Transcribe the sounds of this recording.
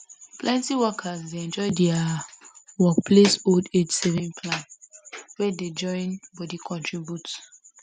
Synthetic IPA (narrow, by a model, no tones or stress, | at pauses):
plɛ̃ntiwɔkʰasdeɛ̃nd͡ʒɔɪdɛa | wɔkpʰlesolded͡ʒsɛvĩnpʰlãnwɛded͡ʒɔ̃ɪ̃nbɔdikʰɔ̃ntʰɹibjut